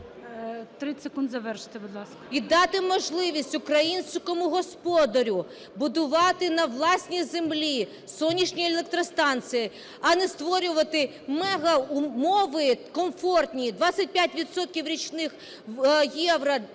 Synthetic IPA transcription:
t̪ɾɪsekund̪zɐʋɛrʃɪ̥t̪ɪbʊd̪lˠɑsɐ̥id̪ɑt̪ɪmɔʒlˠɪʋʲisʲtʲʊkɾɐjinʲsʲkɔmʊɦɔspɔd̪ɐɾʲʊ | bʊd̪ʊʋɑt̪ɪnɐʋlˠɑsʲnʲizemlʲi | sɔnʲːiʃnʲielˠek̚t̪ɾɔst̪ɑnt͡s̪ʲɨji | ɐnɛst̪ʋɔɾʲʊʋɐt̪ɪ | mɛɦɐʊmɔʋɪkɔmfɔrt̪ʲnʲid̪ʋɑt͡sʲːɐt̚ʲpʲjatʲʋʲid̪sɔt̪̚kʲiwɾʲit͡ʃnɪx | jɛʋɾɐ

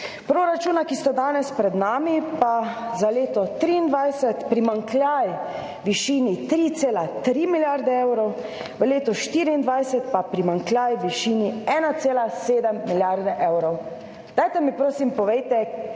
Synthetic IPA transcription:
pɾoːɾat͡ʃuːnakist̪ad̪aːnɛspɾɛd̪naːmipazaleːt̪ɔt̪ɾiːnd̪ʋajsɛt̪pɾimaŋkljaj | ʋiʃiːnit̪ɾit̪seːlat̪ɾimiljaɾd̪ɛɛwɾɔw | ʋəleːt̪ɔʃt̪iːɾiːnd̪ʋajsɛt̪papɾimaŋklʲjajʋiʃiːniɛːnat̪seːlaseːd̪ɛmːiljaɾd̪ɛʔɛwɾɔw | d̪̥ajt̪ɛmipɾoːsimpɔʋɛjt̪ɛ

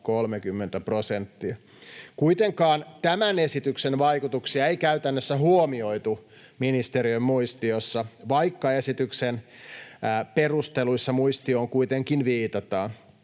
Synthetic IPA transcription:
kolmekymːent̪æpro̞sent̪ːiɑ | kuit̪eŋkɑːnt̪æmænesit̪yksenʋɑikut̪uksiɑeikæyt̪ænːøsːæhuomio̞it̪u | minist̪eɾiømmuist̪iosːɑʋɑikːɑesit̪yksenː | perust̪eluisːɑmuist̪ioːŋkuit̪eŋkinʋiːt̪ɑt̪ɑːn

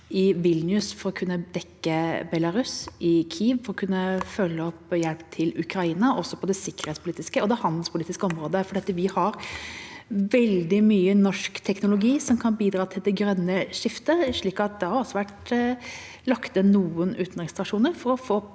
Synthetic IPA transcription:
ɪʋɪlnjʉsfɔɾɔkʰʉnːəd̪ɛkːəbɛlɑɾʉsʔɪkʰiːʋfɔɾɔkʰʉnːəfœlːəɔpːjɛlpt̪ʰɪlʉkʰɾɑiːnɑʔɔsɔpʰɔd̪ɛsɪkːəɾhɛːt̪spʰʊliːt̪ɪskəɔd̪ɛhɑnd̪l̩spʰʊliːt̪ɪskəɔmɾoːd̪əfɔɖɛɑt̪ʋɪhɑɾ | ʋɛld̪ɪmyːənɔʂkt̪ʰɛknʊlʊɡiːsɔmkʰɑnbiːd̪ɾɑːt̪ʰɪld̪ɛɡɾœnːəʂɪft̪əʂɭiːkɑt̪̚d̪ɛhɑɾɑlsɔʋæʈ | lɑkt̪ənuːənʉːt̪n̩ɾɪŋst̪ɾɑʂuːnəɾfɔɾɔfoː

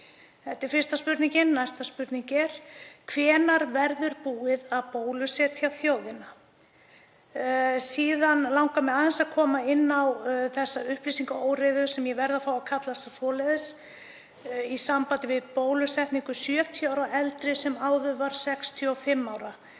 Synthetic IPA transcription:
θɛht̪ɪɾ̥fɪrst̪aspʏɾt̪niŋcɪnːajst̪aspʏɾt̪niŋɲcɛɾ̥kʰvɛːnaɾvɛɾðʏɾpuːɪðaðpoːwlʏsɛt̪ʰjawθjoːwðɪna | siːðanlawŋkamɛaːðɪnsaðkʰɔːmaɪnːawθɛsːaʏhplisiŋkaoːwɾɪðʏsɛmjɛvɛɾðafaːwakʰat̪lasasɔːlɛðɪs | isampaːt̪ɪvɪðpoːwlʏsɛht̪niŋkʏsjœːt̪ʰjaːwɾaɛlt̪ɾɪsɛmaːwvʏvaɾ̥sɛkst̪ʰjʏɔfɪmːaːwɾa

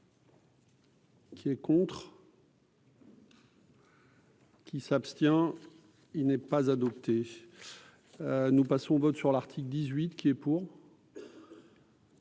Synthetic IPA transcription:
kʲʰiɛkɔ̃t̪χ | kʲisapst̪jɛ̃ | ilnɛpazad̪ɔpt̪ʰe | nupasɔ̃vɔt̪syʁlaʁt̪ʰikld̪izɥit̪kʲiɛpuːʁ

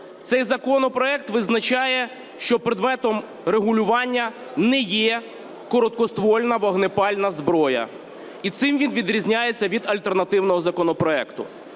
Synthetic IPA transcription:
t̪sɛjzɐkɔnɔpɾɔɛk̚t̪ʋɪznɐt͡ʃɑjɛ | ʃt͡ʃɔpɾɪd̪mɛt̪ɔm | ɾeɦʊlʲʊʋɑnʲːɐ | nɛjɛ | kɔɾɔt̪̚kɔst̪ʋɔlʲnɐʋɐɦnepɑlʲnɐzbɾɔjɐ̰ | it̪sɪmʋʲinʋʲid̪ɾʲizʲnʲajet͡sʲːɐʋʲid̪ɐlʲt̪ernɐt̪ɪwnɔɦɔzɐkɔnɔpɾɔɛkt̪ʊ̰

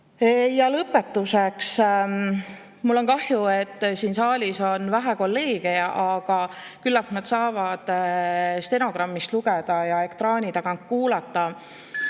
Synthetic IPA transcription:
ejɑlɤpːˑe̞t̪ːˑuseks | mulːo̞nkɑhjue̞t̪ːsiːnsɑːlʲiso̞nvæɦæko̞lːe̞ːɡ̥eɑʔɑɡ̥ɑkylːɑknɑd̪̥sɑːvɑd̪̥ | st̪e̞no̞ɡ̥rɑmːist̪luɡ̥ed̪̥ɑjɑe̞kt̪rɑːnʲit̪ɑɡ̥ɑnk̚kuːlɑt̪ˑːɑ

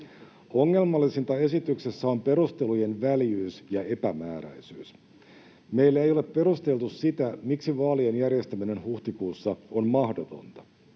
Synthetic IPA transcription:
o̞ŋːe̞lmɑlːisint̪ɑe̞sit̪yksesːæo̞mpe̞ɾust̪e̞luje̞nʋæljyːsjɑe̞pæmæːɾæ̰jsyːs | me̞ilːæejo̞le̞pːe̞ɾust̪e̞lt̪ussit̪æmiksiʋɑːlienjærje̞st̪æmine̞nhuht̪ikuːsːɑo̞nmɑhdot̪o̞̰nt̪ɑ̥

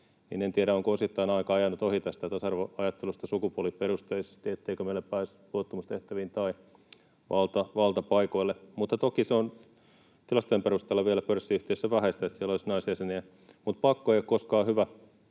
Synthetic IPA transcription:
nḭːnent̪iæɾæoŋkoosit̪ːɑinɑikɑɑjɑnːut̪ohit̪ɑæsit̪æt̪ɑsɑrʋoɑjɑt̪ːelust̪ɑsukupuoliperust̪eise̥st̪iet̪ːeikømeilːeppæis | luot̪ːumust̪eht̪æʋint̪ɑi | ʋɑlt̪ɑʋɑlt̪ɑpɑikoilːemut̪ːɑt̪okiseon | t̪ilɑst̪oemperust̪eːlːɑʋielæpørsːiyht̪eˑisːæʋæhest̪æet̪sielːolisnɑisjæseniæ | mut̪̚pɑkːoeijokkoskɑːhyʋæ

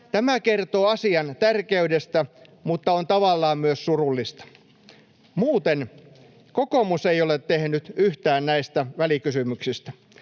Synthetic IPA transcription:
t̪æmækert̪oːɑsiɑnt̪ærkeydest̪æ | mut̪ːɑont̪ɑʋɑlːɑːmmyøssurulːist̪ɑ̥ | muːt̪en | kokomuseijolet̪ːehnyt̪yht̪æːnnæist̪æʋælikysymyksist̪æ̥

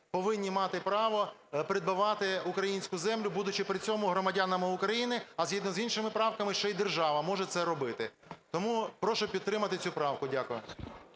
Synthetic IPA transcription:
pɔʋɪnʲːimɑt̪ɪpɾɑʋɔ | pɾʲɪd̪̚bɪʋɑt̪ɪʊkɾɐjinʲsʲkʊzɛmlʲʊbud̪ʊt͡ʃɪpɾɪt͡sʲɔmʊɦɾɔmɐdʲɑnɐmɪʊkɾɐjinɪɐzʲɦid̪nɔzinʃɪmɪpɾɑwkɐmɪʃt͡ʃɛjid̪erʒɑʋɐmɔʒɛt̪sɛɾɔbɪt̪ɪ | t̪ɔmupɾɔʃʊpʲid̪t̪ːɾɪmɐt̪ɪt͡sʲupɾɑwkʊdʲakʊjʊ

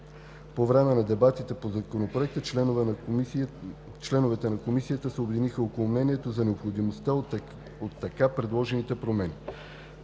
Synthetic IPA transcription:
povɾɛmɛnɐd̪ɛbat̪it̪ɛpozɐkonopɾoɛk̚t̪ət͡ʃlɛnv | t͡ʃlɛnovɛt̪ɛnɐkomisijət̪əsɛobɛd̪inixəokolˠomnɛniɛt̪ozɐnɛopxod̪imost̪a | ot̪ːɐkapɾɛd̪lˠɔʒɛnit̪ɛpɾomɛni

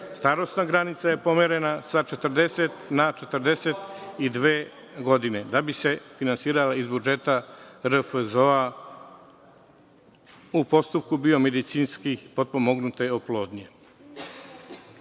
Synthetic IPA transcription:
st̪aɾo̞st̪naɡɾanit̪saje̞po̞meɾe̞nasat͡ʃe̞t̪əɾd̪e̞set̪nat͡ʃe̞t̪əɾd̪e̞se̞t̪id̪ʋe̞ː | ɡo̞d̪ine̞d̪abise̞finansiːɾalaizbud͡ʒe̞t̪aɾfzo̞a | upo̞st̪up̚kubio̞med̪it̪siːnskipo̞d̪̚po̞mo̞ɡnut̪eoplo̞ːd̪ɲe

